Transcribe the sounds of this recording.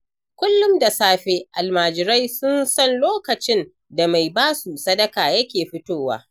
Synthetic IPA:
kʷʊ˦lːʊ˦mda˨saː˦ɸe˦ʔa˨lmaː˨d͡ʒɪ˨ɾa˦jsʊ˦nsɐ˦˨nloː˦kɐ˨t͡ʃɪ˦n | da˨ma˨jbaː˦su˨sɐ˦dɐ˦kaː˨jɐ˦kʲeː˨ɸɪ˦toː˦wa̰ː˦

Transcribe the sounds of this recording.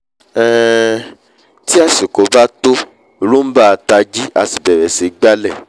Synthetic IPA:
ɛ˨ | ti˦a˦˨si˨ko˨˧ba˦to˦˨ | ɾũ˦m̩˦ba˦˧ta˧d͡ʒi˦a˧si˨bɛ˨ɾɛ˨si˨ɡ͡ba˦lɛ˦˨

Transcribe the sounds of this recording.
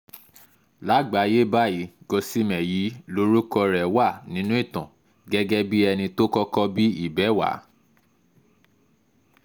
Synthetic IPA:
la˨˦ɡ͡ba˨˦je˦ba˦˨ji˨˦ɡo˧si˦mɛ̃˨ji˨˦lo˦ɾu˦kɔ˧ɾɛ˨wa˦˨nĩ˦nũ˦i˦˨tã̰˨ | ɡɛ˦ɡɛ˦bi˦ɛ˧nĩ˧to˦kɔ˦kɔ˦bi˦i˦˨bɛ˨˦wa̰˨˦

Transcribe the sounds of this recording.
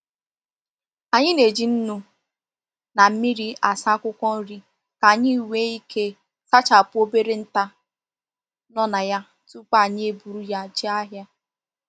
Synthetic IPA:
a˨ɲɪ˦ne˨d͡ʒi˨n̩˦nu˦ | na˨m̩˦mi˦ɾi˦a˨sa˦kʷʊ˦kʷɔ˦n̩˦ɾi˦ | ka˨ɲi˦˨we˦i˦kʰe˦ | sa˦t͡ʃa˨pʊ˦o˦be˦ɾe˦n̩˦ta˦ | nɔ˦na˨ja˦ | tu˦k͡pa˦˨ɲɪ˦e˦bu˨ɾu˦ja˦d͡ʒi˦a˦ɦja˦

